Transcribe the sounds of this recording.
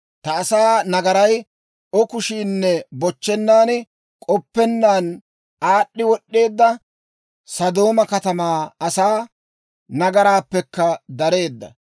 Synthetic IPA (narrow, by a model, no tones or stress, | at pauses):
t̪ɐːsaːnɐɡɐɾɐj | ʔɔkʊʃiːnːɛbɔt͡ʃːɛnːaːn | kʼɔpːɛnːaːn | ʔaːɗːɪwɔɗːe̞ːd̪ːɐ | sɐd̪o̞ːmɐkɐt̪ɐmaːɐsaː | nɐɡɐɾaːpːɛkːɐd̪ɐɾe̞ːd̪ːɐ̰